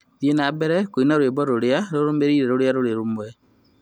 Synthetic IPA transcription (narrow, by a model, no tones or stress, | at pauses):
ðjenabɛɾɛkoinaɾwebɔɾoɾeaɾoɾomeɾiːɾɛɾoɾjaɾoɾeɾomwɛ